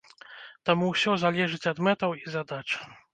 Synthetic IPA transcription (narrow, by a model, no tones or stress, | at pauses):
t̪amuwsʲɔzalʲɛʐɨt͡sʲɐd̪mɛt̪ɐwizad̪at͡ʂ